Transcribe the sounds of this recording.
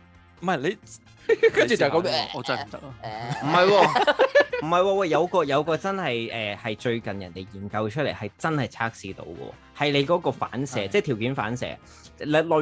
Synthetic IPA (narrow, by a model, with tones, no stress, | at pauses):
m̩˨mɐ˨˩jle˨˧j | knt͡ʃy˨t͡sɐ˨kɔ˨˥mɛ˥˧ɔː˨˧t͡sɐ˥˨˩m˨˦t̪ɐ˥k̚lːm̩˨˩hɐ˨jwɔː˧m̩˨˩hɐ˨jwɔː˧wɔː˧jɐ˨˧wkɔː˧jɐ˨˧wkɔː˧t͡sɐ˥nhɐ˨jʔɛː˨hɐ˨jt͡ʃɵ˧ɥkɐ˨njɐ̰˨˩nt̪e˨jiː˨˩mkɐ˧wt͡ʃʰɵ˥le˨˩hɐ˨jt͡sɐ˥nhɐ˨˩jt͡sʰaː˥k̚siː˧t̪o̰˧wkɔ̰ː˧˩ | hɐ˨jle˨˧jkɔː˨˥kɔː˧fa̰ː˨˥nsɛː˨˥t͡sɛː˥t̪ʰi˨˩wkiː˨˥nfa̰ː˨˥nsɛ̰ː˧˥ | llɔ˨˧